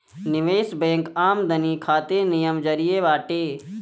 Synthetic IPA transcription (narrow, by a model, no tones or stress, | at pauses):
nɪʋeːsbẽːŋkaːmd̪ʱɐniːkʰaːt̪enijəmd͡ʒɐɾijeːʋaːʈeː